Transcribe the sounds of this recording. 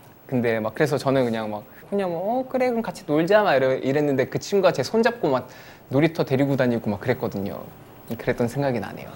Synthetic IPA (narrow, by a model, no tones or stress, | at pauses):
kɯnde̞mak͈̚ːɯɾe̞sʰʌt͡ɕʌnɯnkɯɲaŋmak̚kɯɲaŋʌkɯɾe̞ɡɯnkat͡ɕʰinoʎd͡ʑiamaiɾʌʔiɾe̞nːɯnde̞kɯt͡ɕʰimɡat͡ɕe̞sʰond͡ʑap̚k͈omak̚ | noɾitʰʌte̞ɾiɡudaɲiɡomak͈ːɯɾe̞k͈ʌdɯɲo̰ | kɯɾe̞t͈̚ʌnsʰeŋɡaɡina̰ɲe̞̰jo̰